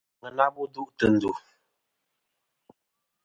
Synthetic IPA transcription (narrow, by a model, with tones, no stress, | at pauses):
ə˨na˦bu˦du˦ʔtə˨n̩˨du˨